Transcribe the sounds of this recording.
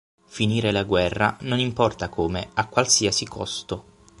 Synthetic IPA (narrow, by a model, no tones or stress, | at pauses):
finiːɾelaɡwɛrːanonimpɔrt̪akoːmeakːwalsiasikʰɔst̪o